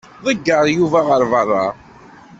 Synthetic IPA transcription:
ðˤəɡːəɾˤjuvæʁəɾvərˤːɑ

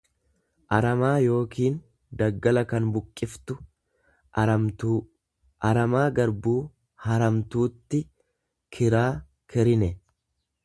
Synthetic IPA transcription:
ʔɐɾɐmaːjo̞ːkiːn | d̪ɐɡːɐlɐkɐnbʊkʼːɪft̪ʊ | ɐ | ʔɐɾɐmaːɡɐɾbuː | hɐɾɐmt̪uːt̪ːɪ | kʰɪɾaː | kʰɛɾɪnɛ

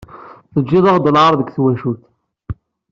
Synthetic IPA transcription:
θəd͡ʒːɪðˤəʁd̪əlʕaɾˤðəɡθwæʃuθ

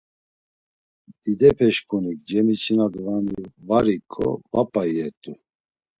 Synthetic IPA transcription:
id̪ɛpʰɛʃkʼunik̚d͡ʒɛmit͡ʃʰinad̪vamivaɾikʰʼːɔ̰vapʼajɛɾt̪ʼu

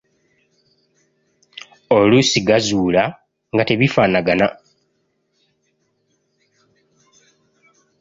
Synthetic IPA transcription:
olusiɡazuːla | ŋɡate̞βifaːnaɡana

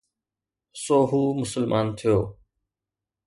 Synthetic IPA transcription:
soːɦuːmʊsəlmʔaːnt̪ʰijoː

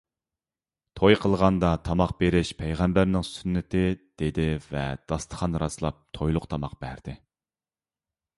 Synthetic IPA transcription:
t̪ʰojqʰəlˠʁɑnd̪ɑt̪ʰɑmɑq̚beɾɪʃpʰɛjʁæmbæɾnɪŋsynːɪt̪ʰɪd̪̥ed̪ɪvɛ̰d̪̥ɑst̪ʰə̥χɑnɾɑslˠɑp̚t̪ʰojlˠʊqt̪ʰɑmɑq̚b̥æɾd̪ɪ

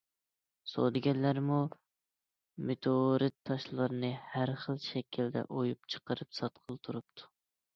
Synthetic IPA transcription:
so̰d̪ɪɡʲɛnlːæɾmu | met̪ʰoɾɨt̪ʰːɑʃlˠɨɾɨnɨhæɾχəlˠʃɛkʲʰild̪ɛ̰ʔojupt͡ʃʰə̥qəɾɨpsɑt̪qʰəlˠt̪ʰuɾup̚t̪ʰu̥

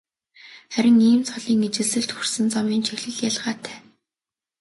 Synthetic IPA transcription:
χæɾʲɪ̆ŋiːmt͡sʰɔɮiːŋet͡ɕɪ̆ɮsɘ̆ɬt̪xursɘ̆nt͡samiːnt͡ɕʰixɮɘ̆ɮjaɮʁaːt̪ʰæ̥ː

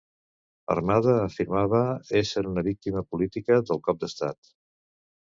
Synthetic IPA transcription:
ə̰rmaðəːfiɾmaβ̞əesəɾunəβik̚t̪iməpulit̪ikəðəlˠkɔp̚d̪əst̪at̪

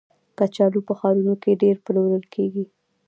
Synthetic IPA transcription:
kat͡ʃɑlupəxɑɾunokeɖeɾpəloɾəlkʰeɡi

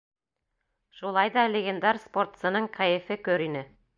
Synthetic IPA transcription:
ʃulˠɑjd̪ɑlʲeɡʲend̪ɑɾspo̞rt̪sɤ̆nɤɴqæjɘ̆fɘkɵɾinɘ

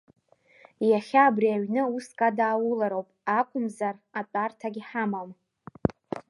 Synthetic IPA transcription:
jaχʲaːbriaɥnɨuskʼadaːwʊlaɾowpʼakʷʼʊmzaratʼartʰaɡʲiħamam

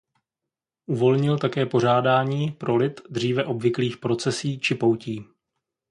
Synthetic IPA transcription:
ʔuvo̞lɲɪlt̪akɛːpo̞ɾ̝aːdaːɲiːpɾo̞lɪt̪d̪r̝iːvɛʔo̞bvɪkliːxpɾo̞t͡sɛsiːt͡ʃɪpo̞wciː

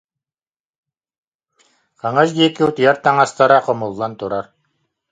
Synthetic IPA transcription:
qɑŋasɡikiut̪jaɾt̪aŋast̪aɾaqɔmulˠːant̪uɾaɾ

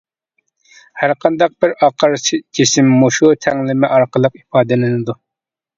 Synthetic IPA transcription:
hæɾqʰɑnd̪ɑq̚b̥ɪɾɑqʰəɾsɪkʲʰesɪmːuʃut̪ʰɛŋlɪmɪʔɑɾqəlˠəqipɑːd̪ɨlɪnɨd̪u

